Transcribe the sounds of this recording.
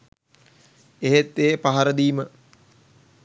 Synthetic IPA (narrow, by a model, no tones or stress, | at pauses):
eɦet̪ːeːpaɦaɾəd̪iːmə